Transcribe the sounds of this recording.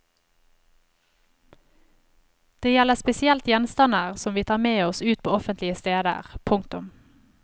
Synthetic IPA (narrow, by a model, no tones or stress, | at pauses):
d̪̥eːjɛləspɛsɪɛlt̪jɛnst̪ɑnəʁsɔmʋiːt̪ʰɑːʁmeːɔsʉːt̪̚pʰoːɔfənt̪lɪəst̪eːd̪ə̰ʁpʰʊŋt̪ʊ̰m